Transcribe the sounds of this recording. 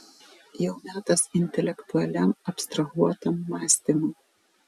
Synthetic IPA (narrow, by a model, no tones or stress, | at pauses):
jɛʊmʲæːt̪ɐsɪnʲt̪ʲɛlʲɛkt̪ʊɐlʲɛmɐpst̪ɾɐɣuɔt̪ɐmːɑːsʲt̪ʲɪmʊ